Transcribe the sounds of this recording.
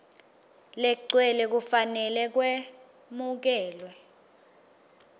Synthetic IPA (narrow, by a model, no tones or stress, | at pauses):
lɛǀwɛlɛk̬ufanɛlɛk̬wɛ | muk̬ɛːlwɛ